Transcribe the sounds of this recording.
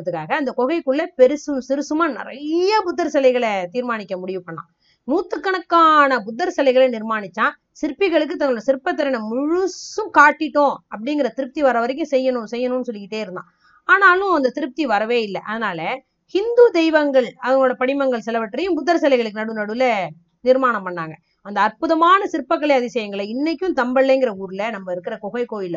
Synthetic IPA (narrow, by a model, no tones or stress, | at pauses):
ɐt̪ːɯkːaːɣɐːnd̪ɐkɔɣɐɪkːɯɭːɐpɛɾɯsɯmsɪɾɯsɯmaːnɪ̰ɾɐ̰jɐpʊd̪ːɐɾsɐlɐɪɣɐɭt̪iːɾmaːɳɪkʲːɐmʊɽɪʋɯpːɐɳːã̰ː | nuːt̪ːɯkːɐɳɐkːaːnɐbʊd̪ːɐɾsɐlɐɪɣɐɭɛnɪɾmaːnɪt͡ʃːãː | sɪɾpːɪɣɐɭɯk̬ːɯt̪ɐŋɡɐɭɯɽɐsɪɾɯpːɐt̪ːɐɾɐnɐmʊɻʊsɯ̃kaːʈːɪʈːõːɐp̬ːɐɽɪŋɡɪɾɐt̪ɪɾɯp̚t̪iʋɐɾɐʋɐɾɛk̬ːɯ̃sɛjːɐɳʊ̃sɛjːɐnʊ̃nːɯsɔlːɪkɪʈːeːɪɾɯnd̪ã̰ː | aːnaːlʊ̃ɐnd̪ɐt̪ɪɾɯp̚t̪iʋɐɾɐʋeːɪlːɐʔɐðɯnaːlɐ | hɪnd̪ud̪ɛɪʋɐŋɡɐɭɐʋɐŋɡɐɭoːɽɐpɐɽɪmɐŋɡɐɭsɛlɐʋɐʈːɾɐjɯ̃pʊd̪ːɐɾsɐlɐɪɣɐɭɯkːɯnɐɽɯnɐɽɯlɐ | nɪɾmaːnɐmpɐɳːaːŋɡɐ | ɐnd̪ɐːɾpʊðɐmaːnɐsɪɾɯpːɐk̬ːɐɭɐɪɐðɪsɛjɐŋɡɐɭɐɪnːɛk̬ʲːʊ̃t̪ɐmbɐɭːɐɪŋɡɪɾɐuːɾɯlɐnɐmːɐɪɾɯkːɪɾɐkɔɣɐɪkoːjɪlːɐ